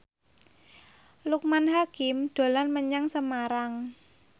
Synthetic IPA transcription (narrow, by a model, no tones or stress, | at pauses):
luk̚manɦakɪmɖ̪̥o̤lanməɲaŋsəmaɾaŋ